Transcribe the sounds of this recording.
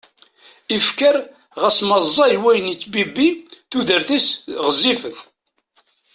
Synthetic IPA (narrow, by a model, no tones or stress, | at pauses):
ifkəɾ | ʁæsməzˤːɑjwæjənit͡sːbibiθuðəɾθisʁəzːifəθ